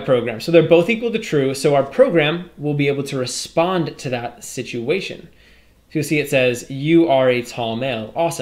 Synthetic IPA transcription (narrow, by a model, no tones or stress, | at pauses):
pʰɹ̥oʊɡɹæ̃msoʊðə˞boʊθikwəl̩ˠtɨtʰɹ̥ʉsoʊaʊə˞pʰɹ̥oʊɡɹæ̃mwɪlˠbieɪbl̩ˠtʰɨɹɨspɑ̃ntʰɨðət̚sɪt͡ʃʉeɪʃɨ̰̃n | tʰɨsiɨtsɛzjɨə˞ɨtʰɔlˠmeɪlˠɔsə̃